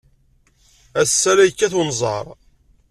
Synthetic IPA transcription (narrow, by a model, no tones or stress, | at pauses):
æsːæɾæjkːæθunzˤɑ̰ɾˤ